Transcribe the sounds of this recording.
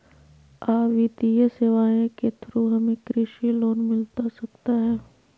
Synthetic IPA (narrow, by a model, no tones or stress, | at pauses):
aːʋid̪ijəseʋaːẽket̪ʰɾuɦɐmẽkɾɪʃiloːnmɪlt̪asɐkt̪aɦɛː